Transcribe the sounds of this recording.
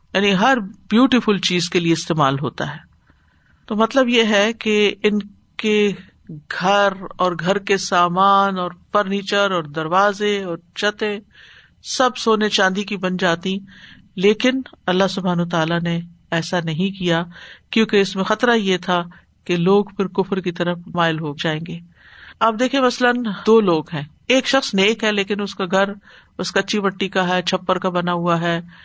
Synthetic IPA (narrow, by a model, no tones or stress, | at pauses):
jaːniɦɐɾbjuːʈifʊlt͡ʃiːzkelieɪst̪eːma̰ːlɦo̰ːt̪a̰ɦɛː | t̪oːmɐt̪ləbjeɦɛkeɪn | ke | ɡʱɐɾɔːɾɡʱɐɾkesaːmaːnɔːɾfɐɾniːt͡ʃəɾɔːɾd̪ɐɾʋaːzeɔːɾt͡ʃɐt̪ẽ | sɐbsoːnet͡ʃãːnd̪ikibɐnd͡ʒaːt̪ĩ | leːkɪnɐlːaɦsʊbʱaːnət̪aːlane | ɛːsanɐɦĩkijakjõːkeɪsmẽxɐt̪ɾajet̪ʰa | keloːɡfɪɾkʊfɾkit̪ɐɾəfmaːɪlɦoːɡd͡ʒaːẽːŋɡeː | aːp̚d̪eːkʰĩẽmɐslənd̪oːloːɡɦɛ̃ː | eːkʃɐxsneːkɦɛleːkɪnʊskaɡʱɐɾ | ʊskɐtːʃʰiʋɐʈːikaɦɛt͡ʃʰɐpːəɾkabɐnaɦʊaɦɛː